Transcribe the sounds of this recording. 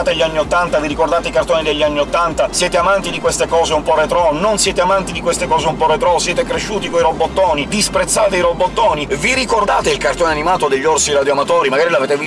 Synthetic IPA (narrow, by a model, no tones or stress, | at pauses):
at̪aʎːianːiot̪ːant̪aviɾikord̪aːt̪eikart̪oːnid̪eʎːanːiot̪ːant̪asjɛːt̪eamant̪id̪ikwest̪ekɔːzeumpɔret̪ɾɔnonsjɛːt̪eamant̪id̪ikwest̪ekɔːzeumpɔret̪ɾɔsjɛːt̪ekɾeʃːuːt̪ikoiɾobːot̪ːɔːnid̪ispɾet̪sːaːt̪eiɾobːot̪ːɔːniviɾikord̪aːt̪eilkart̪oːnanimaːt̪od̪eʎːorsiɾad̪joamat̪ɔːɾimaɡaːɾilaveːt̪evi